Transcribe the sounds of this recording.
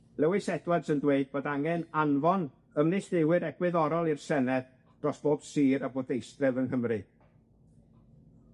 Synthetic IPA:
lɛwɨsɛdwad̥səndweɨd̚boːdaŋɛnanvɔn | əmnɪɬdɪwɨɾɛɡ̥wɪðɔɾɔlˠirsɛnɛð | d̥rɔsb̥oːd̥siːɾaboːdejstrɛvənhəmrɨ

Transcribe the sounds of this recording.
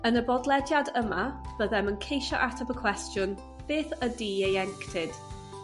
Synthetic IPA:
ənəbɔdlˠɛdjadəmab̥əðɛmənkʰejʃɔʔatʰapəkʰw̥ɛstjʊn | b̥eːθədiːejɛŋktʰɪd̥

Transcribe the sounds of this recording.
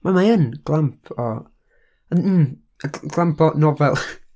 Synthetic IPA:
mamaənɡ̥lˠampʰɔ | ən̩ː | əɡlˠampʰɔnɔvɛlˠ

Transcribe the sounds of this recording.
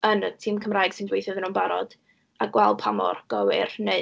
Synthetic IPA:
ənətʰiːmkʰəmraːjɡ̥sɪndwejθɔðənuːnbaɾɔd̥ | aɡwɛlˠpʰamɔ̰rɡ̥ɔwɪ̰rne

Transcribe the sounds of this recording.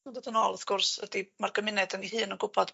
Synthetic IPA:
ndətənɔlˠəθkʊrsə̰dimarkəmɪnɛd̪əniɦɨːnɔnkʊpʰad̥

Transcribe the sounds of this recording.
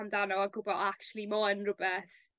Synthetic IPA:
amdanɔaɡʊbɔakt͡ʃlˠimɔənrʊbɛθ

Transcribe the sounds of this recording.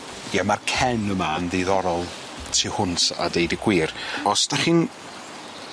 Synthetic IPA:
jamarkʰɛnəmanðejðɔɾɔlˠ | tʰihʊnta̰dejdɪɡ̥wiːrɔsd̥aχin

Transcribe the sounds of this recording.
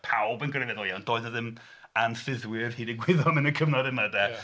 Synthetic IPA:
pʰawbənɡrɛvɛðɔlˠjand̥oːɨðəðɪm | anfɪðwɪrhiːdɪɡwɪðɔmɪnəkʰəmnɔdɪmədɛ

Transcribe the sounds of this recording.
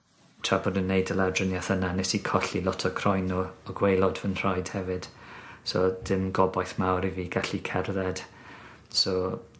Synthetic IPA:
t͡ʃʰabɔdənːejdəladrənjaθənanɛsikʰɔɬilˠɔtʰɔkʰrɔjnɔɔɡwejlˠɔdvənr̥ajd̥hɛvɨd̥sɔd̥ɪmɡɔbajθmawɾiviːɡaɬikʰɛrðɛd̥ | sɔ

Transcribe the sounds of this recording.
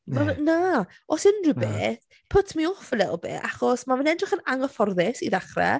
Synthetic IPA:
mana | ɔsənrəbeːθ | pʰʊtʰmiɔfəlɛlˠbɪ̰ʔaχɔsmavɪnɛdrɪχənaŋɔfɔrðɪsiðaχrɛ̰

